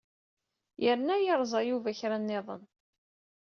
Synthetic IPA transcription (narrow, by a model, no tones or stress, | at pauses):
jəɾnæjəɾˤzˤɑjuvæçɾænːɪðˤə̰n